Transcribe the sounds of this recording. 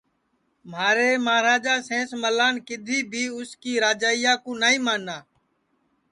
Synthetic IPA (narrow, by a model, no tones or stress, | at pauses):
maːɾeːmaːɾaːd͡ʒaːsẽːsməlaːnkɪd̪ʱiːbʱiːʊskiːɾaːd͡ʒaːɪjaːkõːnaːĩːmaːnːaː